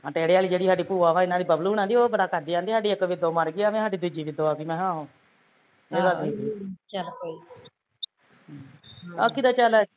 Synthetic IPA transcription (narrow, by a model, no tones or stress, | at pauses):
ãːʈeːɽeːaːliːd͡ʒeːɽiːsaːɖiːpuːaːʋãːɪnãːd̪iːbəbluːñãːd̪iːoːbəɽaːkəɾd̪iːd͡ʒãːnd̪iːsaːɖiːəkːʋɪd̪oːməɾɡiːaːʋẽːɦaːɖiːd̪ʊd͡ʒiːʋɪd̪oːaːkiːmɛ̃ːɦãːɦõː | eːɡaliːt͡ʃəlkoi | a̰kːid̪aːt͡ʃəl